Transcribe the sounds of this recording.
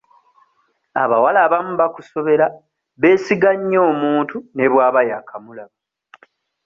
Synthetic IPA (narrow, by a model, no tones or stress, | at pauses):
a̰βawalaβamuβakuso̞βe̞ɾa | βe̞ːsiɡaɲːo̞ːmuːntune̞βwaːβajakʰamulaβa